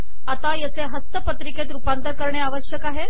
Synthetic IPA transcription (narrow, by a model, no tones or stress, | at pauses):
at̪ajət͡seɦəst̪əpət̪ɾiket̪ɾupant̪əɾkəɾɳeaʋəɕjəkaɦe